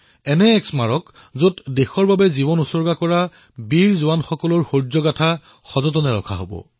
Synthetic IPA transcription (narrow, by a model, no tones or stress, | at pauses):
ɛnɛːksmaɹɔk | zotdexɔɹbabɛzibɔnusɔɹɡakɔɹa | biɹzʊwanxɔkɔlɔɹxoɹzɔɡatʰa | xɔzɔt̬ɔnɛɹɔ̰kʰa̰ɦo̰bɔ̰